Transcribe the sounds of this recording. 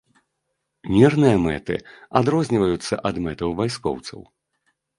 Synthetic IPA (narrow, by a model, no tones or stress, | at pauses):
mʲɛrnɨjɐmɛ̰t̪ɨ̰ad̪ɾɔzʲnʲivɐjut̪sːɐ̰ʔɐd̪mɛt̪ɐwvajskɔ̰wt̪sɐ̰w